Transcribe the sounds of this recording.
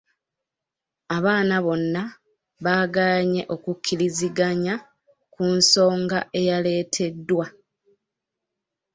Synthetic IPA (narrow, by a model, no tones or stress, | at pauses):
aβaːnaβo̞nːa | βaːɡaɲe̞ʔo̞kukʲʰːiɾiziɡaɲa | kunso̞ːŋɡaʔe̞jale̞ːtʰe̞dːwa